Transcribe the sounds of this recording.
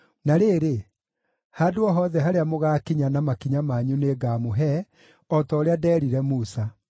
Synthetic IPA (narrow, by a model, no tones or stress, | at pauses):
naɾeːɾe | hadoɔɦɔðɛɦaɾeamoɣakiɲanamakiɲamaɲuneɡamoɦɛ | ɔtɔɾeadɛːɾiɾɛmusa